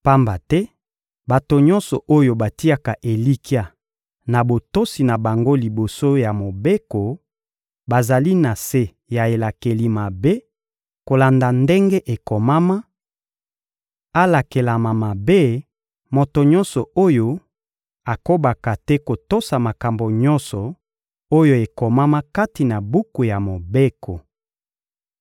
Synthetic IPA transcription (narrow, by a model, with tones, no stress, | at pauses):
pa˦mba˨tɛ˦ | ba˨to˨ɲɔ˦nsɔ˨ʔo˦jo˨ba˨ti˦a˨ka˨ʔe˨li˦ki˦a˨ | na˨bo˨to˦si˨na˨ba˨ŋɡo˦li˨bo˨so˦ja˨mo˨be˦ko˨ | ba˨za˨li˦na˨se˦ | ja˨e˨la˨ke˨li˨ma˨be˦ | ko˨la˨nda˨nde˦ŋɡe˦ʔe˨kɔ˨ma˦ma˦ | a˦la˨ke˨la˨ma˨ma˨be˦ | mo˨to˨ɲɔ̃˦nsɔ˨o˦jo˦ | a˨ko˦ba˨ka˨tɛ˦ko˨to˦sa˨ma˨ka˨mbo˨ɲɔ˦nsɔ˨ | o˦jo˦e˨kɔ˨ma˦ma˦ka˦ti˨na˨bu˦ku˨ja˨mo˨be˦kʰo˨